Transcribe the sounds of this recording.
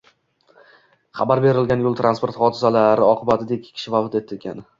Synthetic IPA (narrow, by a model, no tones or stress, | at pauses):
χabaɾbe̞ɾɪlɡʲanjʊlˠt̪ʰɾanspo̞ɾt̪χɒd̪ɪzalaɾɪɒqʰɨbat̪ʰɪd̪ekʲːkʲʰɪ̥ʃɪvavt̪et̪ʰːɪlɡʲa̰nɪ